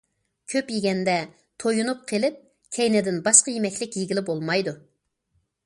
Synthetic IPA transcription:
kʲʰøpjiɡʲɛnd̪ɛ | t̪ʰojunup̚qʰelɪp̚ | kʲʰɛjnɪd̪ɪnbɑʃqɑjemɛkʲlɪkʲjiɡʲilɪbolˠmɑjd̪u

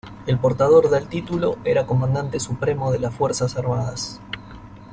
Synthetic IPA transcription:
elpo̞ɾt̪að̞o̞ɾðelt̪it̪ulo̞eɾako̞mãnd̪ant̪e̞supɾemo̞ðelasfweɾsasaɾmaðas

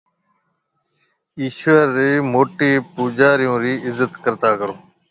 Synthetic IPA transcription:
iːʃʋəɾːeːmoːʈiːpuːd͡ʒaːɾɪjũːɾiːɪzət̪kəɾt̪aːkəɾoː

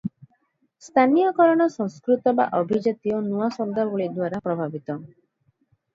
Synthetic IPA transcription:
st̪ʰanijɔkɔɾɔɽ̃ɔsɔŋskɾut̪ɔba̰ʔɔbʱid͡ʒat̪ijɔnuasɔd̪abɔɭid̪waɾapɾɔbʱabit̪ɔ

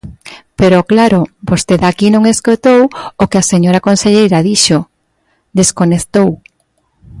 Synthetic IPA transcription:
peɾoklaɾobost̪eðakinõŋeskot̪owokeaseɲoɾakonseʎejɾaðiʃo | d̪eskoneθt̪ow

